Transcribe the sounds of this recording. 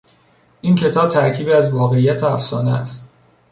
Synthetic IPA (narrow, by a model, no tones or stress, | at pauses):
ʔiːncʰe̞t̪ʰɒːb̥̚t̪ʰæɾkʰiːbiæzvɒːɣe̞ijæt̪ʰeæfsɒːneæ̰st̪